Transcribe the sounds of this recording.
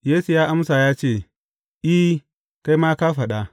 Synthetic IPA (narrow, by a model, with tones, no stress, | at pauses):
jeː˦su˨jaː˦ʔa˦msa˨jaː˦t͡ʃeː˦˨ | ʔi˦ | ka˦jmaː˦kaː˦ɸɐ˨ɗa˦